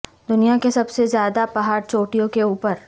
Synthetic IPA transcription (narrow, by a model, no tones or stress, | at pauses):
d̪ʊnijakesɐbsezjaːd̪apɐɦaːɾt͡ʃoːʈijõkeuːpəɾ